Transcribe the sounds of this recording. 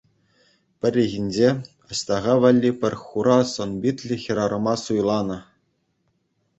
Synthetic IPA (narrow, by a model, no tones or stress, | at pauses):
pʲɘ̆rʲiɣʲinʲd͡ʑe | ɑɕt̪ɑʁɑʋɑlʲːipʲɘ̆rʲχuɾɑsɤ̆nbʲit̪ʲlʲɘxʲiɾɑɾɤ̆mɑsujlˠɑnɤ̆